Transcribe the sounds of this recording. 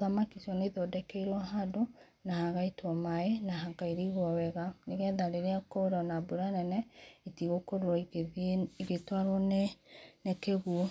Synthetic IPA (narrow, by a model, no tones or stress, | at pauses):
ðamakisiɔneðɔdɛkeiɾwaɦado | nahaɣaitwɔmaenaɦaɡaiɾiiɣwɔwɛɣaneɣɛðaɾeɾeakoɾɔnabuɾanɛnɛitiɣokoɾoɔ | iɣetwaɾwɔnenekeɣuo